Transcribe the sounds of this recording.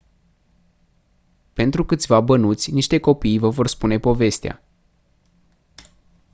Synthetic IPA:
pe̞nt̪ɾukɨt̪sʲvabənut̪sʲniʃt̪e̞ko̞pijvəvo̞rspune̞po̞ve̞st̪ea̰

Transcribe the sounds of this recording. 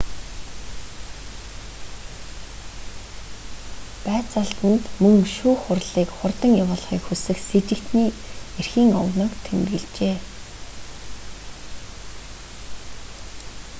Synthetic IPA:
pæːt͡saɮt̪ə̆nt̪mɵŋʃuːχʊrɮiːkχʊrt̪ə̆ŋjawʊːɮχḭːkxusɘ̆xset͡ɕɪ̆kt̪niːerxiːŋɔwnɔ̆ːkt̪ʰem̆rɣɘ̆ɮt͡ɕeː

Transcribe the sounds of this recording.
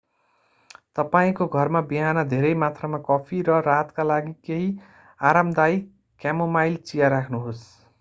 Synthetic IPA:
t̪ʌpaĩkoɡʱʌrmabiɦanʌd̪ʱeɾʌjmat̪ʰramakʌpʰiɾʌɾat̪kalaɡikeɦi | aɾamd̪aj | kamomajlt͡sijaɾakʰnuɦos

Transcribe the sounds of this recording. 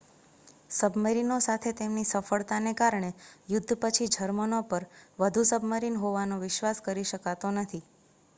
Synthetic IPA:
səbməɾinosat̪ʰet̪emnisəfəɭt̪anekaɾɳejʊd̪ʱːpət͡ʃʰid͡ʒʱəɾmənopəɾʋəd̪ʱusəbməɾinɦoʋanoʋɪʃʋaskəɾiʃəkat̪onət̪ʰi

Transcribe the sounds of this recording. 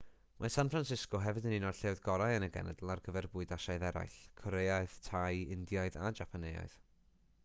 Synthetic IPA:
mʔasanfransɪskɔɦɛvɨdəninɔd̥ɬewðɡɔɾajənəɡɛ̰nɛ̰dl̩ˠarɡəvɛrbʊːɨdaʃajðɛɾa̰jɬkʰɔɾejaɨð̥tʰajɪndjaɨðad͡ʒapʰaneja̰ɨð

